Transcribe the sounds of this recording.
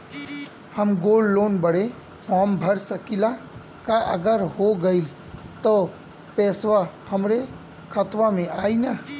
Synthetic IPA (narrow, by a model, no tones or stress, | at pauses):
həmɡoːlːoːnbəɽe | fʰɔːɾmbʱəɾsəkila | kaʔə̰ɡəɾɦoɡəil | t̪ɔ | pɛːsʋahəmɾe | kʰət̪ʋamẽaːinə